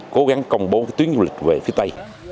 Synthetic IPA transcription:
ko˨˦ɣa˨˦ŋkə˧wŋ͡mɓo˨˦a˨˦t̪wi˨˦ənzu˧˩lï˨˩k̟̚ve˨˩fi˨˦ət̪ə˧j

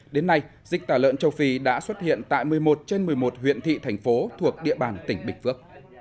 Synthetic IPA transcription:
ɗe˨˦nːa˧j | zï˨˩k̚t̪aː˧˩lə̰ː˧˨nt͡ɕə˧˩wfi˧˩ɗa̰ː˧˥swə˦˥t̚hḭ˧˨ənt̪a̰ː˧˨jmɨ˨˩əjmo˨˩t̚t͡ɕe˧nmɨ˨˩əjmo˨˩t̚hwḭ˧˨ənt̪ʰḭ˧˨t̪ʰa˨˩jŋ̟fo˨˦t̪ʰu˨˩ək̚ɗḭ˧əɓaː˨˩nt̪ï˧˩ŋ̟ɓï˧˩ŋ̟fɨ˦˥ək̚

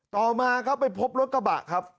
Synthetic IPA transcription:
t̪ɔː˨˩maː˧kʰa˦˥wpa˨˩jpʰo˦˥p̚ɾo˦˥t̪̚ka˧ba̰˨˩kʰːa˦˥p̚

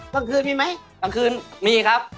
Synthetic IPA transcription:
ka˨˧˩kʰɯː˧nmiː˧˩ma˦˥jka˨˧˩ŋkʰɯː˧nmiː˧˩kʰa˦˥p̚

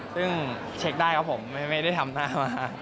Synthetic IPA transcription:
sɯ˥˩ŋ | t͡ɕʰe˦˥k̚daː˥˩jkʰɔ˦˥pʰo˩˦mːa˥˩jma˥˩jda˥˩jt̪ʰa˧mnaː˥˩maː˧

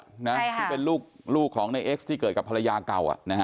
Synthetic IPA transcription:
na˦˥tʰi˥˧˩pe˧nluː˥˩k̚ | luː˥˩kʰːɔː˩˦ŋna˧jʔeː˦˥k̚st̪ʰiː˥˩kɤː˨˩t̪̚ka˨˩pʰa˧la˧jaː˧ka˨˩wʔa̰˨˩ʔna˦˥˦

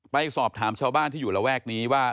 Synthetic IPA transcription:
pa˧jsɔː˨˩p̚t̪ʰaː˩˦mt͡ɕʰaː˧wbaː˥˩nt̪ʰiː˥˩juː˨˩ɾa˨˧wɛː˥˩k̚niː˦˥waː˥˩

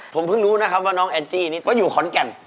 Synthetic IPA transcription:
pʰo˨˩˦mpʰɯ˥˩ŋɾuː˦˥na˦˥kʰa˦˥p̚waː˥˩nɔː˦˥ŋʔɛː˧nt͡ɕiː˥˩niː˦˥ɔː˦˥˩juː˨˩kʰɔ˩˦nkɛ˧˩n

